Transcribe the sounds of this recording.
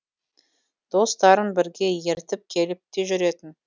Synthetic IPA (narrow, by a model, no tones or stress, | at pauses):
d̪̥o̞st̪ɑɾənbɪɾɡʲe̞je̞ɾt̪ɪp̚kʲʰe̞lɪp̚t̪e̞ʒʏɾe̞t̪ɪn